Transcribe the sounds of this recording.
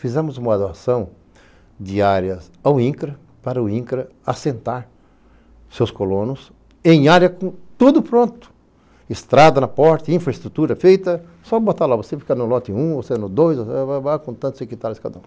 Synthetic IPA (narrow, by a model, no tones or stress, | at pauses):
fizɛ̃mʊzũmɐad̪oasɐ̃w̃ | d̪iaɾjɐs | awĩkɾɐ | paɾɐʊĩkɾɐ | asẽnt̪aɾ | sewskolõnʊs | ẽj̃aɾjɐkõt̪ud̪ʊpɾõnt̪ʊ̥ | ɪst̪ɾad̪ɐnɐpɔɾt̪ɐĩfɾɐɪst̪ɾut̪uɾɐfejt̪ɐ | sɔbot̪alavosefi̥kɐnʊlɔt̪ɪũoseʒɐnʊd̪ojzosevavakõt̪ɐ̃nt̪ʊzekit̪aɾʊskad̪ɐũ